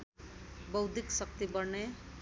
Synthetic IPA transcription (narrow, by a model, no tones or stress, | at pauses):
bʌwd̪ʱiksʌk̚t̪ibʌɾne